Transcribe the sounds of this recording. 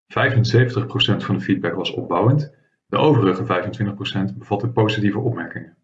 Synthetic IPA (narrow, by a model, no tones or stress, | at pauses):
v̥ɛjvənsejvəntəχprowsɛntfɑndəfid̚bɛkʋɑsɔ̰b̚bɑwənt | dəʔowvərəχəvɛjvəntʋɪntəχprowsɛntbəv̥ɑtəpowzitivəʔɔpmɛɹkɪŋən